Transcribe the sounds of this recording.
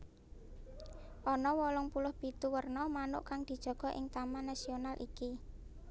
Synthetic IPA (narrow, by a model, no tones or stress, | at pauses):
ʔɔnɔwɔlɔŋpulʊhb̥it̪uwərnɔmanʊ̰ʔkaŋd̪̥i̤d̥ʒ̥ɔ̤ɡ̥ɔ̤ʔɪ̰ŋt̪amanasionalʔḭki